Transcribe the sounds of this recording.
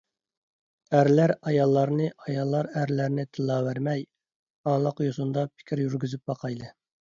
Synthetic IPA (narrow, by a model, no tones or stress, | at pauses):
æɾlæɾɑjɑlˠːɑɾnɨʔɑjɑlˠːɑɾæɾlæɾnɪt̪ʰɨlˠːɑːwæɾmɛj | ɑːlˠɑqjosund̪ɑpʰɪ̥kʲʰiɾjyɾɡʲyzyp̚bɑqʰɑjlˠɨ